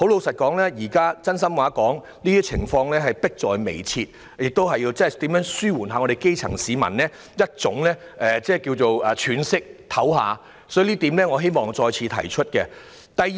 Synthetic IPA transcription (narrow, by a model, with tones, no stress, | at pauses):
ho˨˥wlo˨˧wsɐ˨t̚kɔː˨˥ŋlɛː˥jiː˨˩kaː˥t͡sɐ˥nsɐ˥mwaː˨˧˥kɔː˨˥ŋ | liː˥i˥t͡sʰɪ̰˨˩ŋfɔː˧ŋlɛː˥ɦɐ˨jpɪ˥k̚t͡sɔː˨jme˨˩jt͡sʰiː˧t̚ | jɪ˨k̚t̪o˥wɦɐ˨jiː˧wt͡sɐ˥ɐ˨˩t̪iː˨˥mjœː˨˥ŋsyː˥wuː˨˩nɦaː˨˧ŋɔ˨˧ɾe˨jke˥jt͡sʰɐ̰˨˩ŋsiː˨mɐ˨˩nlɛː˥ | jɐ˥t̚t͡sʊ˨˥ŋlɛː˥ʔɛː˨t͡sɛː˥˩kiː˧wt͡so˨wɐː˨t͡ʃʰyː˨˧nsɪ˥k̚t̪ʰɐ˨˥wɦa̰ː˨˧ | sɔː˨˥˨liː˥t̪iː˨˥mlɛː˥ŋɔ˨˧ɦe˥jmɔː˨˩ŋt͡sɔː˧jt͡sʰiː˨˧t̪ʰɐ̰˨˩jt͡ʃʰɵ˥t̚kɛ˧ | t̪ɐ˨j